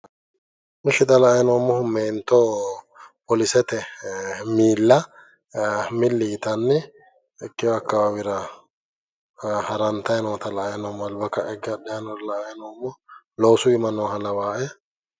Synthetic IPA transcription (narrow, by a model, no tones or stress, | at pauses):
mɪʃɪt̪ɐlɐːjnoːmːɔhʊmeːnt̪ːo | pɔlɪsɛt̪ɛ | miːlːɐ | mɪlːɪɪt̪ɐnːɛː | kːɪjɔɐkːɐbwɪɾɐ | hɐɾɐnt̪ɐjnot̪ɐlɐːjnoːmːɐlbɐkːɐʔɛɡːɐdɛɐnɔlɐɐjnoːmːɔ | loːsʊɪmɐnɔːhɐlɐwaːʔɛ